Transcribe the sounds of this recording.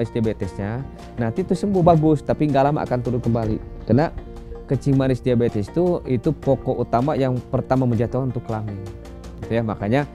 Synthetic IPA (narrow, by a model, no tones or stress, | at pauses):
ɾɪsdiabet̪ɛsɲa | nant̪it̪usəmbʊhbaɡʊst̪apiŋɡalama̰ʔa̰kant̪uɾʊkəmbalḭ | kəna | kət͡ʃɪŋmaɾɪsdiabet̪ɛst̪uit̪upokoʔut̪amajaŋpərt̪amaməɲd͡ʒat̪ukannt̪ʊkːəlaŋɪ | it̪ujamakaɲa